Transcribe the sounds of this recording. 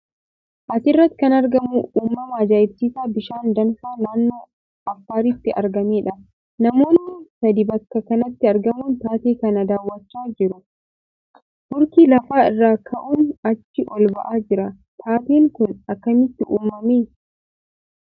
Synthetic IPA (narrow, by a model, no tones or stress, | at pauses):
ʔɐsɪrːɐt̪ːɪkɐnɐɾɡɐmuuːmːɐmaːd͡ʒaːjɪbsiːsaːbɪʃaːnd̪ɐnfaːnaːnːoː | ɐfːaːɾɪt̪ːɪʔɐ̰ɾɡɐmeːᶑɐ | nɐmo̞ːnːɪsɐd̪ɪbɐkːɐkɐnɐt̪ːɪɐɾɡɐmuːnt̪aːt̪iːkɐnɐd̪aːwːɐt͡ʃːaːd͡ʒɪɾʊ | bʊɾkiːlɐfaːɪrːaːkʰɐʔuːnɐt͡ʃːɪʔɔlbɐ̰ʔaːd͡ʒɪɾɐ | t̪ʰaːt̪iːŋkʊnɐkːɐmɪt̪ːɪʔuːmːɐmeː